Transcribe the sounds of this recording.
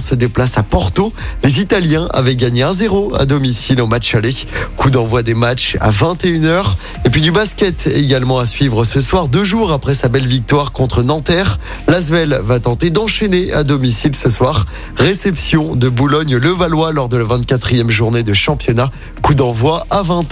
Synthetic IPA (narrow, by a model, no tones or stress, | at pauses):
səd̪eplasapɔʁt̪olezit̪aljɛ̃a̰vɛɡaɲeɛ̃zeʁoa̰d̪ɔmisilomat͡ʃaliskud̪ɑ̃vwad̪emat͡ʃa̰vɛ̃t̪eynœʁ | epɥid̪ybaskʲɛt̪eɡalmɑ̃asɥivʁəsəswaʁd̪øʒuʁapχɛsabɛlvik̚t̪waʁkɔ̃t̪χənɑ̃t̪ɛʁ | lazvɛlvat̪ɑ̃t̪ed̪ɑ̃ʃɛnea̰d̪ɔmisilsəswaʁː | esɛpsjɔ̃d̪əbulɔɲləvalwalɔʁd̪əlavɛ̃t̪̚kat̪χijɛmʒuʁned̪əʃɑ̃pjɔna | kud̪ɑ̃vwaavɛ̃t̪